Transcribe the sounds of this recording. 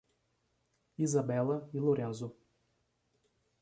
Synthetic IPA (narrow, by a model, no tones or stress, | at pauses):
izabɛlɐiloɾẽnzʊ